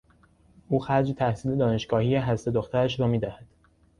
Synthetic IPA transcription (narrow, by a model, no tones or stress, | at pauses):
ʔuːxæɾd͡ʒt̪ʰæhsiːle̞d̪ɒːneʃɡɒːhiːjeɦæst̪o̞d̪oxt̪ʰæɾæʃɾɒːmiːd̪æhæd̪̥